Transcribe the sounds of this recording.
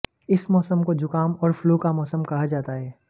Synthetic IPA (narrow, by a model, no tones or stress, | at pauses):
ɪsmɔːsəmkod͡ʒʊkaːmɔːɾfluːkamɔːsəmkɐɦad͡ʒaːt̪aɦɛː